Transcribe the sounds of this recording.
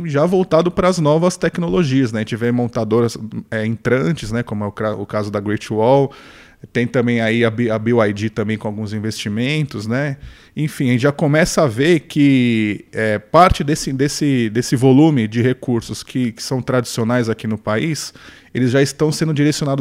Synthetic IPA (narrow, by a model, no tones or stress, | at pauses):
ʒavowt̪ad̪ʊpɾɐːznɔvɐst̪ɛknoloʒiɐz̬nɛʒẽt͡ʃɪvẽmõnt̪ad̪oɾɐzɛẽt̪ɾɐ̃t͡ʃɪznɛkõmʊɛʊkaʊkazʊd̪ɐɡɾejt͡ʃwɔw | t̪ẽj̃t̪ɐ̃mbẽj̃aiɐbiabiwajd͡ʒit̪ɐ̃mbẽj̃kõawɡũzĩvest͡ʃimẽnt̪ʊznɛ | ẽj̃fĩɐʒẽt͡ʃɪʒakomɛsɐaveɾkʰɪ | ɛpaɾt͡ʃɪd̪esɪd̪esɪd̪esɪvolumɪd͡ʒɪɦekuɾsʊskʰɪkɪ̥sɐ̃w̃t̪ɾad͡ʒisionajzakinʊpais | elɪzʒaɪst̪ɐ̃w̃sẽnd̪ʊd͡ʒiɾesiõnad̪ʊ